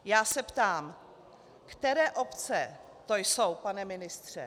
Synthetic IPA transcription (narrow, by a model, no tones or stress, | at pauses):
jaːsɛpt̪aːm | kt̪ɛɾɛːʔo̞pt͡sɛ | t̪o̞jso̞wpanɛmɪnɪst̪r̝̥ɛ̰